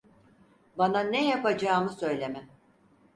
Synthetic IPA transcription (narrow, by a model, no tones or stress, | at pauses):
bananɛjapad͡ʒaːmɯsø̞jlʲemɛ